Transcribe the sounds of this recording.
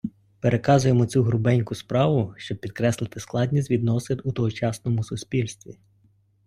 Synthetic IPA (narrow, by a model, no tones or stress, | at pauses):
peɾʔe̞kɑzʊjemɔt͡sʲuɦɾʊbɛnʲkʊspɾɑʋʊʃt͡ʃɔb̚pʲid̪kɾɛslˠɪt̪ɪsklˠɑd̪ʲnʲisʲt̪ʲʋʲid̪nɔsɪd̪ut̪ɔɦɔt͡ʃɑsnɔmʊsʊsʲpʲilʲst̪ʋʲḭ